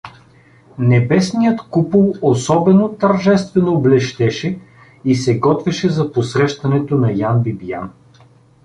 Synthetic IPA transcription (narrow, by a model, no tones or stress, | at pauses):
nɛbɛsnijət̪kupəlˠosɔbɛnot̪ɐɾʒɛst̪vɛnoblɛʃt̪ɛʃɛ | isɛɡɔt̪vɛʃɛzɐposɾɛʃt̪ɐnɛt̪onɐjanbibijan